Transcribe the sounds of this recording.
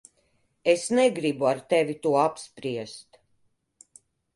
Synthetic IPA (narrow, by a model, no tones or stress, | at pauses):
esnɛɡɾibuaɾt̪ɛvit̪uɔapspɾiɛst̪